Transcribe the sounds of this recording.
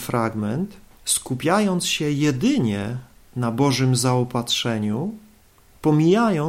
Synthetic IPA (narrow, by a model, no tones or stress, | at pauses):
fɾaɡmɛnt̪skupʲjajɔnt̪sɕɛjɛd̪ɘɲɛ | nabɔʐɘmzaɔpatʂɛɲu | pɔmʲijajɔ